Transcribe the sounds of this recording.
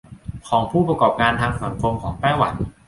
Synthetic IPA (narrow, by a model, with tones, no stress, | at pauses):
kʰɔː˩˦ŋpʰuː˥˩pɾa˧kɔː˨˩p̚kaː˧nt̪ʰaː˧ŋsa˩˦ŋkʰo˧mkʰɔː˩˦ŋp̪ɛː˥˩wa˨˩˦n